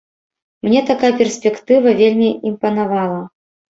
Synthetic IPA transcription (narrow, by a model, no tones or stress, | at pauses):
mnʲɛt̪akajɐpʲɛrsʲpʲɛkt̪ɨvɐvʲelʲmʲiimpɐn̪avalˠɐ